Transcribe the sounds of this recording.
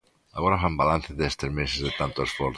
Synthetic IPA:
aɣoɾafambalanθeðest̪eɾmesezðet̪ant̪oesfoɾ

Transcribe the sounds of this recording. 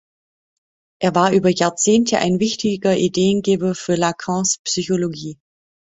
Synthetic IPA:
ʔeːɐvaːɐʔyːbɐjaːɐt͡seːntʰəʔa̰ɪnvɪçtɪɡɐʔideːənɡeːbɐfyːɐlakʰɔ̃ːspsyçoloɡiː

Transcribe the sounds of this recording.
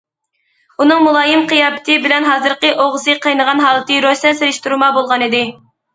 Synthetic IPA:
unɨŋmulˠɑːjɨmqʰɨjɑːpʰɪ̥t̪ʰɨbɪlɛnɦɑːzɨɾqəʔoʁzɨqʰəjnəʁɑnɦɑːlˠɨt̪ʰɨɾosɛnseɾɪʃt̪uɾmɑbolˠʁɑnid̪ɪ

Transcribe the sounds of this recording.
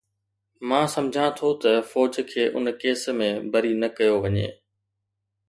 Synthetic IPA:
mãːsɐ̃md͡ʑʱãt̪ʰot̪ɐfɔːd͡ʑkʰeːʔʊ̰nkeːsmẽbɐɾinɐkɐjoʋɐɲḛː

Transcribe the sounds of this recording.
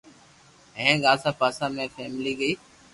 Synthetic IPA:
ɦẽːɠaːlsãːpaːsaːmẽːfeːmliːɡəiː

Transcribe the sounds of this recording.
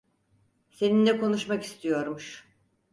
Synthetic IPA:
se̞nind̪ɛko̞nuʃmaki̥st̪ʰijo̞ɾmuʃ

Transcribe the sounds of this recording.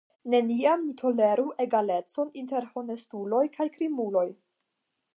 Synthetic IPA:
ne̞niamnitʰo̞le̞ɾuʔe̞ɡale̞t͡so̞ninte̞ɾho̞ne̞stulo̞jkʰajkɾimulo̞j

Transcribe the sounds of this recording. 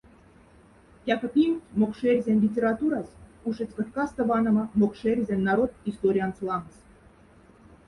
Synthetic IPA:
jɑkɤ̆pʲimʲmokʃerʲzʲenʲlʲitʲeɾɑt̪uɾɑsuʃə̆t͡sʲkot̪kɑst̪ə̆vɑnɤ̆mɤ̆mokʃerʲzʲenʲːɑɾot̪ist̪oɾʲijɑnt͡sulˠɑməs

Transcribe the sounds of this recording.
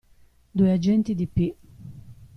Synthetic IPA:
d̪uːɛad͡ʒɛnt̪id̪ipːi

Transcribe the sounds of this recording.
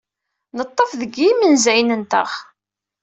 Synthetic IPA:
nət̪ˤːəfðəɡimənzæjnənt̪ə̰ʁ

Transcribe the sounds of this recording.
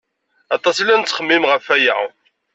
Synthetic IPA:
ɑt̪ˤɑsilːænt͡sːχəmːimʁəfæjæ̰

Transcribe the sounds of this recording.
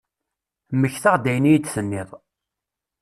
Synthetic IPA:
məçθaʁd̪æjnijd̪θənːɪðˤ

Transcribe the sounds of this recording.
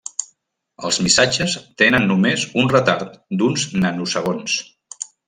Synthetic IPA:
əlˠzmisad͡ʒəst̪enənːumezunrət̪aɾt̪d̪unznənusəɣ̞ons

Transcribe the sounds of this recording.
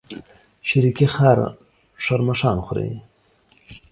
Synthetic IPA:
ʃaɾikixɑɾ | ʂaɾmaʂɑːnxʊɾḛ

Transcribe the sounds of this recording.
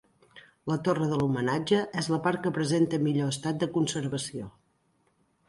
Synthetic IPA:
lət̪orəðəlumənad͡ʒəʔɛzləpaɾkəpɾəzent̪əmiʎoəst̪at̪̚d̪əkunsəɾβəsio

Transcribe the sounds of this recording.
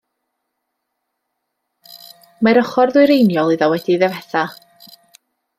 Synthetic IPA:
maɾɔχɔrðwɪɨɾejnjɔlˠiðɔwɛd̥iðɛvɛθa

